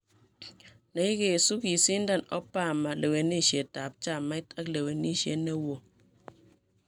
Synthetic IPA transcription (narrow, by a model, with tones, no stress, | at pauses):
na˨i˦ke˨su˦ki˨si˦n̩˦da˦nɔ̰˦pa˦˨ma˨le˨we˨ni˦˨ʃje˨ta˨p̚t͡ʃa˦˨mːa˦i˦ta˦k̚le˨we˨ni˦˨ʃje˦ne˦wo˨